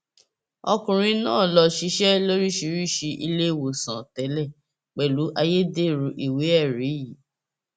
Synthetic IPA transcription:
ɔ˧kũ˨ɾ̃ĩ˧nãː˦˨lɔ˧ʃi˧˦ʃɛ˦lo˦ɾi˦ʃi˧ɾi˦˨ʃi˧ʔi˧le˦˨wo˨sã˨tɛ˨˦lɛ˦˨ | k͡pɛ˨lu˨˦ʔa˧je˦de˦˨ɾũ˧˦ʔi˨we˨˦ɛ˦˨ɾi˨˦ji˨˦

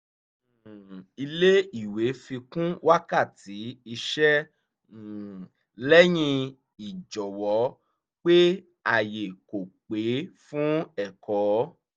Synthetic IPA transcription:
i˧le˦i˦˨we˨˦fĩ˧kũ˦wʔa˦ka˦˨ti˨˦i˧ʃɛ˦˨ | lɛ˦j̃ĩ˧ | i˨d͡ʒɔ˨wɔ˨˦ | k͡pe˦ | a˦˨je˨ko˨k͡pe˨˦fũ˦ɛ˦˨kɔː˨˦

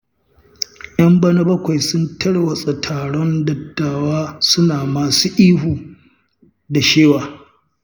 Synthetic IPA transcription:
ʔj̰ɐ˦mbɐ˦nɐ˦bɐ˦kʷa˨jsʊ˦ntɐ˦ɽwɐ˨sʼɐ˨tʰaː˨ɽɔ˦ndɐ˨tːaː˨waː˦sʊ˦naː˨maː˨suː˦ʔiː˦ɦuː˨ | da˨ʃeː˦waː˨

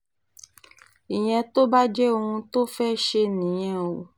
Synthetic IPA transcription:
i˨ɲ̃ɛ̃˧t̪o˦ba˦d͡ʒɛ˦o˧ŋũ˧t̪o˦fɛ˦ʃe˧nĩ˨j̃ɛ̃˨o˨

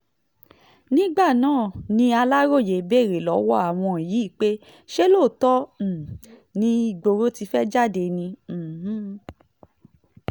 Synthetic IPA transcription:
nĩ˦ɡ͡ba˦˨nãː˦˨nĩ˧˦a˧la˦ɾo˦˨je˨˦be˦˨ɾe˨lɔ˨˦wɔ˦a˦˨w̃ɔ̃˧e˨ji˨˦˨k͡pe˦ | ʃe˦lo˦˨tɔ˦˨nĩ˧i˧ɡ͡bo˧ɾo˦ti˧fɛ˦d͡ʒa˦˨de˧nĩ˧˨ɦ̩˦

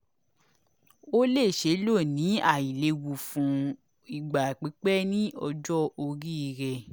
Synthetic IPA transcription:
o˦le˦˨ʃe˨˦lo˦˨nĩ˨˦a˦˨i˨le˧wu˨fũ˨˦ | i˨ɡ͡ba˨k͡pi˨˦k͡pɛ˦nĩ˦ʔɔ˧d͡ʒɔ˦o˧ɾi˦i˧ɾɛ˧

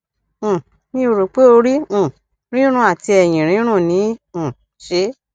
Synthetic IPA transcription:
nĩ˦o˧ɾo˨k͡pe˦o˧ɾĩ˦˨ | ɾ̃ĩ˦ɾ̃ũ˦˨a˨ti˧ɛ˨j̃ĩ˨ɾ̃ĩ˨˦ɾ̃ũ˦˨nĩ˨˦˨ | ʃe˧˦

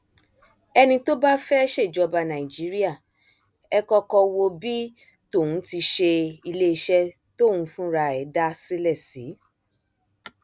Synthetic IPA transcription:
ɛ˧nĩ˧to˦ba˦fɛ˦ʃe˦˨d͡ʒɔ˧ba˧nã˨i˨d͡ʒi˨˦ɾi˦a˦˨ | ɛ˧kɔ˧kɔ˧wo˧bi˦ | to˦˨ũ˨˦ti˧ʃe˧i˧le˦i˧ʃɛ˦ | to˦˨wũ˧fũ˦ɾa˧ɛ˨˦da˦si˦lɛ˦˨si˨˦

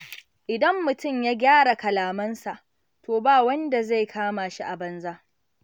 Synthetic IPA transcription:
ʔɪ˨dɐ˦mːʊ˨tʊ˦˨mjaː˦ɡʲaː˦ɽa˨kɐ˨laː˨mɐ˦nsa˨ʔ | tʰoː˨baː˦˨wɐ˦nda˨za˦˨jkʰaː˦ma˨ʃi˦ʔa˨bɐ˦nzaː˦ʔ

